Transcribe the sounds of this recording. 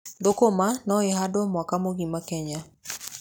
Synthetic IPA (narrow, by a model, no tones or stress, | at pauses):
dokomanɔeɦadɔmwakamoɣimakɛɲa